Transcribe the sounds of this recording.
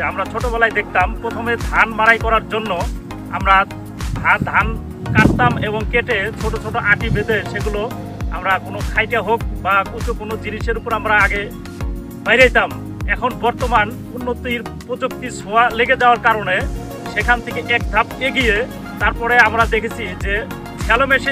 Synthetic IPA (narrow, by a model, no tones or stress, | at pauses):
amɾat͡ɕʰoʈobɛlajd̪ek̚ʰt̪ampɾot̪ʰomed̪ʱanmaɾajkɔɾaɾd͡ʑonːo | a̰mɾa | d̪ʱad̪ʱan | kaʈt̪ameboŋkeʈet͡ɕʰoʈot͡ɕʰoʈoʔãʈibed̪eʃeɡulo | a̰mɾakonokʰajʈaɦok̚bakut͡ɕʰukonod͡ʑiniʃeɾupoɾamɾaaɡe | bajɾajt̪am | ɛkʰonbɔɾt̪oman | unːot̪iɾpɾod͡ʑok̚t̪isoaleɡed͡ʑaoaɾkaɾone | ʃekʰant̪ʰekeʔɛk̚d̪ʱapeɡije | t̪aɾpɔɾeamɾad̪ekʰet͡ɕʰid͡ʑe | kʰɛlomeʃ